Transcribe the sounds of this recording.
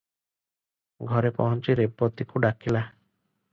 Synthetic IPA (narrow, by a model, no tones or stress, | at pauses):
ɡʱɔɾepɔ̰ɦɔnt͡ʃiɾepɔt̪ikuɖakila